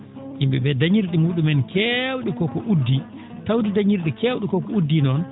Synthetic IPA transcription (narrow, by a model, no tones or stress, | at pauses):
ʔimbɛ̰bɛdaɲiɾɗimuːɗumɛnkʰɛwɗikɔkɔʔudːi | tawdidaɲiɾɗikewɗikɔkɔudːinɔn